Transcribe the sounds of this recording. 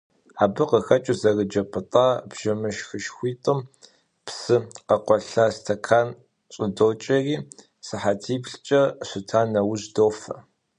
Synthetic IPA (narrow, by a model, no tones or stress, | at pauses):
aːbɨqəxɐt͡ʃʼɨzɐrəd͡ʒɐpʼɨtʼaːbʒ̥ɐmɨʃxɨʃxʷiːtʼɨm | psɨqɐqʷɔɬaːstʰɐkʰaːn | ɕʼɪdoːt͡ʃʼɐriː | sɨħatʰiːpɬt͡ʃʼɐɕʷɨtʰaːnːɐwʊʑdoːfɐ̰